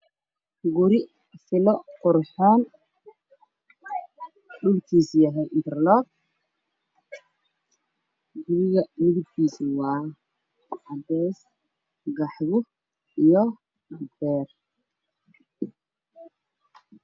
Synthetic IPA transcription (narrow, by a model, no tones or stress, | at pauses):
ɡʊɾɪ | fɪlɔqʊɾħɔːn | ɖʊlkʰiːsjɐɦɛjnt̪ʰɛrlɔːɡ̚ | ɡʊɾɪɣɐmɪðɪb̚k̪ʰiːswɑː | ɐbɛːs | ɡɑħβʊ | ijɔ | bɛːr